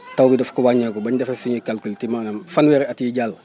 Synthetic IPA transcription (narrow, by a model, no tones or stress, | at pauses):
tawbidɐfkuwaɲakubaɲdɐfesuɲikalkultimanamfanwɛːɾeatiɟal